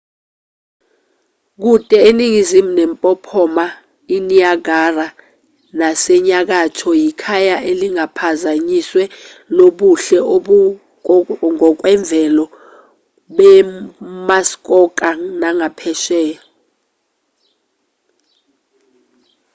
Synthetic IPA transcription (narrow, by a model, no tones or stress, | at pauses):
k̬utʼɛeniŋizimunɛmpʼɔpʰɔma | iniaɡara | nasɛɲak̬atʰɔjikʰajaʔeliŋapʰazaɲiswɛ | loɓuɬɛoɓ | ŋɔk̬wɛɱb̪vʱɛlɔ | ɓɛ | mask̬ʼɔk̬ʼanaŋapʰɛʃɛː